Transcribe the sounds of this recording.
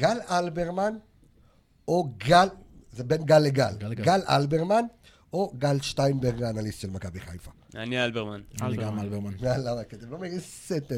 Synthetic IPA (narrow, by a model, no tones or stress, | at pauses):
ɡ̥alalbeʁman | oɡalzebenɡalːeɡalɡalʔa̰lbeʁman | oɡalʃt̪ajnbeʁɡanalisʃelmakabiχajfa | anialbeʁmananiɡamlbanalamaket̪emlomeʁiset̪e